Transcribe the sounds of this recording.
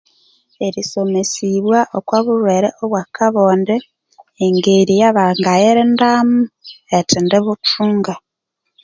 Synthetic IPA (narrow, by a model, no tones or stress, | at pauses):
eɾiso̞mesiβwaʔokwaβuɾweɾḛʔoβwakʰaβoːndeː | ŋɡeɾijaβaŋɡajeɾendaːmuetindeβut͡ʃuːŋɡa